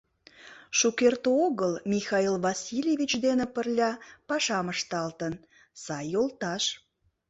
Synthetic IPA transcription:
ʃukert̪oɣəlmʲixɑilvɑsʲilʲevit͡ɕd̪enĕpərlʲɑpɑʃɑməʃt̪ɑlt̪ən | sɑjːolt̪ɑʃ

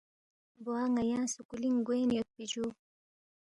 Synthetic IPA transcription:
boaŋajãːnsukuliŋɡujnjot̪̚pid͡ʒu

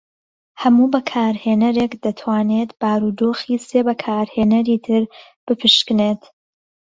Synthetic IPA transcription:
hɐmuːbɐkʰaːɾheːnɐɾekd̪ɐt̪ʰwaːnet̪b̥aːɾuːd̪oːxiːseːbɐkʰaːɾheːnɐɾiːt̪ʰɨɾ | b̥ɨpʰɨʃkɨneːt̪

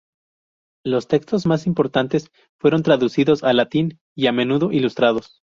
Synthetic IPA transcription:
lo̞st̪e̞kst̪o̞zmasimpo̞ɾt̪ant̪e̞s | fwe̞ɾo̞nt̪ɾaðusiðo̞salat̪in | iame̞nuðo̞ʔilust̪ɾaðo̞s

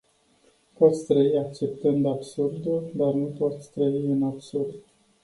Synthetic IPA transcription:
pot̪sʲt̪ɾəiakt͡ʃe̞pt̪ɨnd̪absurd̪uld̪arnupot̪sʲt̪ɾəiɨnabsurd̪

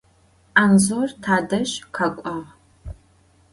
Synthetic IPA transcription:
ʔanzortʰaːdɐʒqʰakʷʼɔʁ

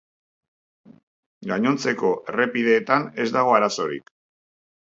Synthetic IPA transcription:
ɡaɲo̞nt͡se̞ko̞ʔe̞re̞piðe̞ːt̪ane̞zd̪aɣo̞aɾaso̞ɾḭk

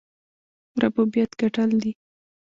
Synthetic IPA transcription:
ɾabubjat̪ɡaʈəld̪i

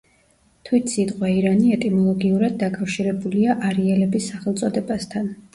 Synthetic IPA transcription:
t̪ʰwit̪ʰsit̪ʼqʼwɛiɾaniɛt̪ʼimɔlˠɔɡiuɾad̪̚ːakʼafʃiɾɛbuliaʔaɾiɛlɛbisːaχɛlˠt̪sʼɔd̪ɛbast̪ʰan

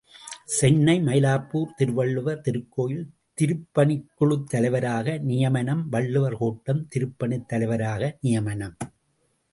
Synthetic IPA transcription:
sɛnːɐɪmɐjɪlaːpːuːɾt̪ɪɾʋɐɭːɯʋɐt̪ɪɾɯkːoːjɪl | t̪ɪɾɯpːɐɳɪkːɯɭɯt̪ːɐlɐɪʋɐɾaːɣɐnɪjɐmɐnɐmʋɐɭːɯʋɐɾhoːʈːɐmt̪ɪɾɯpːɐnɪt̪ːɐlɐɪʋɐɾaːɣɐnɪjɐmɐnɐm

